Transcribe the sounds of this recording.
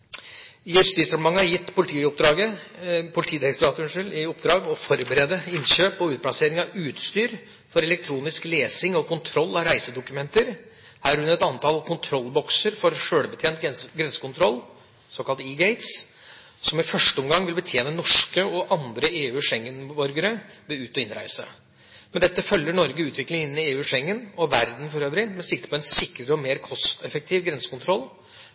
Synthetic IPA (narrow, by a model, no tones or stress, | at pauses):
jɛssd̪ɪst̪ɑmmɑŋːəhɑɾjɪt̪ːpʰʊlɪt̪ʰiːʊp̚d̪ɾɑːɡəpʰʊlt̪ʰiːd̪ɪɾɛk̚t̪ʊɾɑːt̪əhʉnʂɪlɪʊpːd̪ɾɑːɡɔfɔɾbəɾɛd̪əɪnɕøːpɔʉːt̪̚pʰɽɑseːɾɪŋɑʋʉːt̪st̪yːɾ | fɔɾɛlɛk̚t̪ʰɾuːnɪskleːsɪŋɔkʊnt̪ʰɾɔlːɑɾæɪsəd̪ʊkʉmɛnt̪əɾ | hæːɾhʉnːɛt̪ɑnt̪ʰɑlkʰʊnt̪ʰɾɔlːbɔksəɾfɔɾʂøːɽbət̪ʰjeːnt̪ɡɾɛnsə̥kʊnt̪ʰɾɔlː | sɔːkɑlt̪iːɡeɪt̪s | sɔmɪfœʂʈəɔmɡɑŋːʋɪlbət̪ʰjeːnənɔʂkəɔʔɑnd̪ɾəeːʉːʂɛŋːənbɔɾɡəɾə | ʋɛʉːt̪ɔɪnɾæ̰ɪsə̰ | mɛnd̪ɛt̪ːəfœlːəɳɔɾɡəʉːt̪ʋɪklɪŋɪnːɪeːʉːʂɛŋːənɔʋæɾd̪n̩fɔɾøːʋɾɪmɛsɪk̚t̪ə̥pʰɔɛnsɪkːɾəɾəɔmeːɾkʰɔst̪ɛfək̚t̪ʰiːʋɡɾɛnsə̥kʰʊnt̪ʰɾɔlː